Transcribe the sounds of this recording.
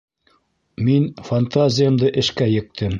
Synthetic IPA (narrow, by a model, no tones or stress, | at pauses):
minfant̪azʲɪjəmd̪ɤʔɘ̆ʃkæjɘ̆k̚t̪ʰɘm